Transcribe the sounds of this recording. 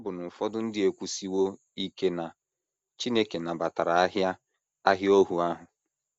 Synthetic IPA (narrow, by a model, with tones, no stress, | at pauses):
ɔ˦bʊ˨nʊ˨fɔ˦dʊ˦n̩˦dɪ˦e˨kʷu˦si˦wo˦ | i˦ke˦na˨ | t͡ʃi˦ne˦ke˨na˨ba˨ta˨ɾa˨a˦ɦja˦ | a˦ɦjo˦ɦu˨a˦ɦʊ˨